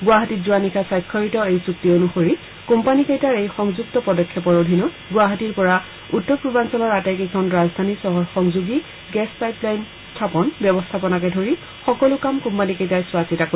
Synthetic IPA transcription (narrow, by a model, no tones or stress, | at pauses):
ɡʊaɦatizuwanikʰasajkʰːɔɹitɔejsuk̚tionuxoɹi | kompanikejtaɹejxɔŋzuktɔpɔdɔkʰːɛpɔɹodʱinɔt | ɡʊaɦatiɹpɔɹa | utːɔpɹubansɔlɔɹatɛkekʰɔnɹazdʱanisɔɦɔxɔŋzuɡi | ɡɛspajplajn | stʰapɔnbjɔbɔstʰapɔnakɛdʱoɹi | xɔkɔlʊkamkompanikejtaɹswasitako